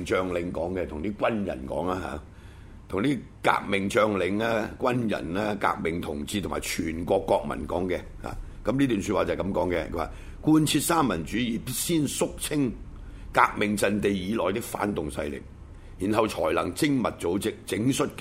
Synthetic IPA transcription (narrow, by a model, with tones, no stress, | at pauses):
ŋt͡ʃœː˨˧ŋlɪ˨˧ŋkɔː˨˥ŋkɛ˧t̪ʰʊ˨ŋt̪iː˥kʷwɐ˥njɐ̰˨˩nkɔ̰ː˨˥ŋaː˧ɦa̰ː˨˧ | t̪ʰʊ˨ŋt̪iː˥ | ka̰ː˧k̚mɪ˨ŋt͡ʃœː˧ŋlɪ˨˧ŋaː˥kʷɐ˥njɐ̰˨˩nlaː˥ka̰ː˧k̚mɪ˨ŋt̪ʰʊ˨˩ŋt͡siː˧t̪ʰʊ˨˩maː˨jt͡ʃʰyː˨˩nkʷɔː˧kːɔː˧k̚mɐ̰˨˩nkɔ̰ː˨˥ŋkɛ˧ha̰ː˨˧ | kɐ˨˦mliː˥t̪y˨nsy˧t̚waː˨t͡sɐ˨˩kɐ˨˧˥mkɔː˨˥ŋkɛ̰˧wa̰ː˨˩ | kuː˥nt͡sʰiː˧t̚saː˥mːɐ˨˩nt͡ʃyː˨˥jiː˨˩psiː˥nsʊ˥k̚t͡sʰɪ˥ŋ | kaː˧k̚mɪ˨ŋt͡sɐ˨nt̪e˨˧jjiː˨˧lɔː˨˩jt̪ɪ˥k̚fa̰ː˨˥nt̪ʊ˨ŋsɐ̰˧jlɪ̰˨k̚ | jiː˨˩nɦɐ˨wt͡ʃʰɔ̰ː˨˩jlɐ˨˩ŋt͡sɪ˥ŋmɐ˨t̚t͡so˨˥wt͡sɪ˨k̚t͡sɪ˨˥ŋsɵ˥t̚k